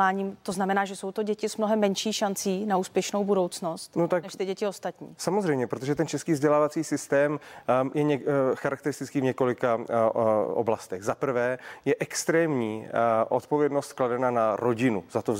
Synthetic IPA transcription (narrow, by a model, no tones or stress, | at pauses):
aːɲiːmt̪o̞znamɛnaːʒɛsowt̪o̞ɟɛcɪsmnoɦɛmːɛnʃiːxʃant͡siːnauːspjɛʃno̞wbudo̞wt͡sno̞st̪not̪aknɛʃt̪ɪɟɛcɪost̪at̪ɲḭːsamozrɛjmɲɛpɾot̪oʒɛt̪ɛnt͡ʃɛskiːvzɟɛlaːvat͡siːsɪst̪ɛːmjɛɲɛxaɾʔak̚t̪ɛɾɪst̪ɪt͡skiːvɲɛko̞lɪka | o̰blast̪ɛɣzapr̩vɛːjɛʔɛkst̪ɾɛːmɲiːʔo̞t̪povjɛdno̞st̪̚kladɛnanaɾo̞ɟɪnuzat̪o